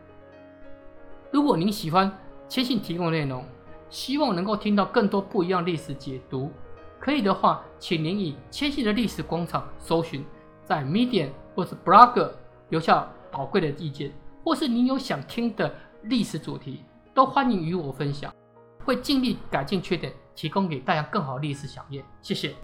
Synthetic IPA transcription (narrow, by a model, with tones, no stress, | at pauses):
ɻu˧˥kwɔ˨˩ni˨˥nɕi˨˩xwa˦nt͡ɕʰjɛ˥nɕi˥˩nt̪ʰi˧˥kʊ˥ŋ˧ne˥˩ɪɾʊ˧˥ŋɕi˥wɑ˥˨ŋnə˧˥ŋko˥˩ʊi˥ŋt̪ɑ˥˧ʊkə˥˩ŋt̪wɔ˥pu˥˩˨i˧˥jɑ˥˧ŋli˥˩ʂɻ̩˨˦t͡ɕjɛ˨˩t̪u˧˥˦kʰɤ˧˥i˨˩d̪ə˩xwa˥˩t͡ɕʰi˨˩ŋni˧˥ni˨˩t͡ɕʰjɛ˥nɕi˥˩d̪ə˨li˥˩ʂɻ̩˨˩kwɑ˥ŋʈ͡ʂʰɑ˨˩ŋso˧˥ʊɕy˧˥n | t͡sa˥˩ɪmi˦˥t̪i˨ɛ˨˩nxwɔ˥˧ʈ͡ʂə˥˩pɹa˥kə˨˩ljo˧ʊɕja˥˩pɑ˨˩ʊkwe˥˩ɪd̪ə˩i˥˧t͡ɕjɛ˥˨nxwɔ˥˧ʂɻ̩˥˩ni˧˥njo˧ʊɕjɑ˨˩ŋt̪ʰi˦˥ŋd̪ə˨li˥˩ʂɻ̩˧˥t͡sṵ˨˩t̪ʰi˧˥ | t̪o˥ʊxwa˦ni˧˥ŋy˧˥wɔ˨˩fə˦nɕjɑ̰˨˩ŋ | xwe˥˧ɪt͡ɕi˥˧nli˥˩ka˨˩ɪt͡ɕi˥˧ŋt͡ɕʰɥɛ˥˩t̪jɛ˨˩nt̪ʰi˧˥ko˥ŋke˨˩ɪt̪a˥˧t͡ɕja˥˧kə˥˩ŋxɑ˨ʊd̪ə˦li˥˩ʂɻ̩˨˩ɕjɑ̰˨˩ŋjɛ˥˩nɕjɛ˥˧˩ɕjɛ˨˩